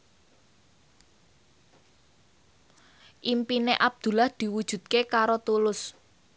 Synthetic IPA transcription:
ʔimpineʔab̚d̪̥ṳlahd̪̥i̤wud̥ʒ̥ṳd̪̚kekaɾot̪ulʊs

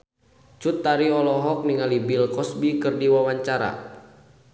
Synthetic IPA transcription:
t͡ʃut̪ːaɾiɔlɔɦɔk̚niŋalibilkɔsbikɨrdiwawaɲt͡ʃaɾa̰

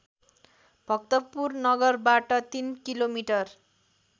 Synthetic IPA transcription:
b̥ʱʌk̚t̪ʌpurnʌɡʌrbaʈʌt̪inkilomiʈʌr

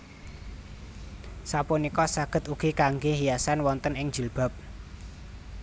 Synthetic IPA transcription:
sapunikɔsaɡ̥ə̤t̪uɡ̥ikaŋɡeɦijasanwɔnt̪ənɪŋ̥d͡ʒəlb̥a̤p̚

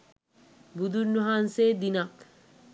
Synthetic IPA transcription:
bud̪ʱuɾnuɦansed̪inat

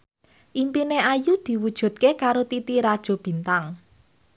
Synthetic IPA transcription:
ʔimpineajud̪̥i̤wud̥ʒ̥ṳt̪̚kekaɾot̪it̪iɾad̥ʒ̥o̤b̥i̤nt̪aŋ

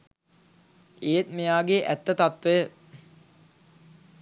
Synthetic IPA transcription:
eːt̪mejaːɡeʔæ̰t̪ːət̪at̪ʋəjə

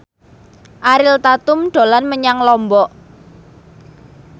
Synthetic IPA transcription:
ʔaɾɪlt̪at̪ʊmɖ̪̥o̤lanməɲaŋlɔmbɔʔ

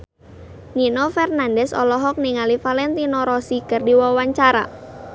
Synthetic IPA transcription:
ninɔfɛrnandɛsɔ̰lɔɦɔk̚niŋalifalɛnt̪inɔɾɔsikərdiwawaɲt͡ʃaɾa̰

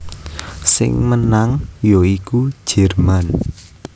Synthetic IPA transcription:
sɪ̰ŋmənaŋjoikud̥ʒ̥ɛ̤rman

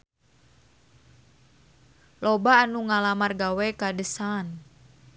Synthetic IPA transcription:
lɔbaːnuŋalamarɡawɛkadəsan

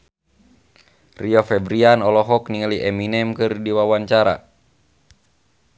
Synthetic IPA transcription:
riɔfɛbɾianɔlɔɦɔkniŋaliʔɛminɛmkɨrdiwawaɲt͡ʃaɾa̰

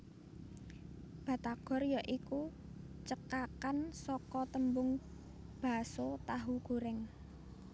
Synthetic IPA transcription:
b̥a̤t̪aɡ̥ɔ̤rjaʔiku | t͡ʃəkakansɔkɔt̪əmbʊŋ | b̥a̤sot̪aɦuɡ̥ṳɾɪŋ

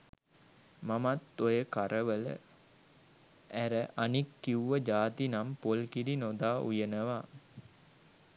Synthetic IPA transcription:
mamat̪ːojəkaɾəʋələ̰ | ʔæɾəʔanikːiuʋəd͡ʒaːt̪inampolkiɾinod̪aːʔṵjənəʋa

